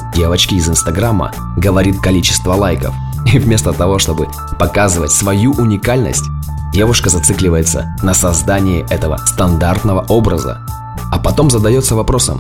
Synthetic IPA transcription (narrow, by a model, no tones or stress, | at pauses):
dʲevət͡ɕkʲɪːzɨnst̪ɐɡɾamːə̰ | ɡəvɐɾʲit̪̚kɐlʲit͡ɕɪ̥st̪vəlˠajkə̰f | ivʲmʲe̞st̪ət̪ɐvo̞ʂt̪o̞bɨ | pɐkazɨvətʲsvɐjuʔʊnʲɪkalʲnə̰sʲtʲdʲe̞vʊʂkəzɐt̪sɨklʲɪvəjɪt̪sə̰nəsɐzd̪anʲɪjɪʔɛt̪əvə̰st̪ɐnd̪art̪nəvəʔo̞bɾəzə̰ | ɐpɐt̪o̞mzəd̪ɐjo̞t̪səvɐpɾo̞sə̰m